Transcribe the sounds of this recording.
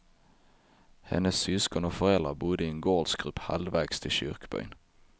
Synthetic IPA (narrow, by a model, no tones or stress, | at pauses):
hɛ̰nːəsːʏskɔnɔfœɾɛld̪ɾabʊd̪ːəɪɛnɡoːlsɡ̥ɾɵpːha̰lvæːɡst̪ʰɪlɕʏ̰ɾkbœ̰jn